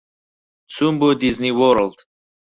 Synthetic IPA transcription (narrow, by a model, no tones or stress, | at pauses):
sumbod̪izniwɔɾld̪̥